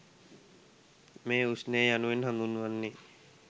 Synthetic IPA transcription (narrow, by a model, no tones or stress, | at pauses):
meːusnejejanuʋinɦãnd̪unːuʋanːi